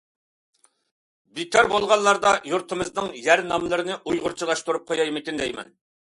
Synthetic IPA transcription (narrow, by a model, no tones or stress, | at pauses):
bit̪ʲɑɾbolˠʁɑnːˠɑɾd̪ɑjuɾt̪ʰɨmɨznɨŋjæɾnɑmlˠɨɾɨnɨʔujʁʊɾt͡ʃʰilˠɑʃt̪uɾup̚qʰojɑjmɪkʲind̪ɛjmɛ̰n